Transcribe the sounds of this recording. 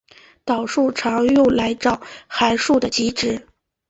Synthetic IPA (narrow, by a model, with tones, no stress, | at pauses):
t̪ɑ˨˩ʊʂu˥˩ʈ͡ʂʰɑ˧˥ŋjo˥˩ʊla˧˥ɪʈ͡ʂɑ˨˩ʊxa˧˥ɪʂu˥˩d̪ə˩t͡ɕi˧˥ʈ͡ʂɻ̩˧˥